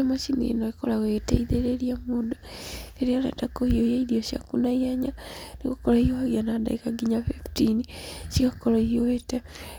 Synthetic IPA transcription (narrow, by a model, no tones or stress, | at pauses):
amasinḭnoikolaweteiðeɾeɾiamuːdoeɾiala̰dakohiojeiɾioʃia̰kunaiaɲanikukolaioaɣianada̰ikaɡiɲafiftinisikakoloiowete